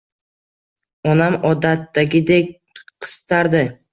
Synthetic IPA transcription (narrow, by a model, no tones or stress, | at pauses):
ɒnamɒd̪at̪ːaɡʲɪd̪ek̚ʲ | qʰɨ̥st̪ʰaɾd̪ɪ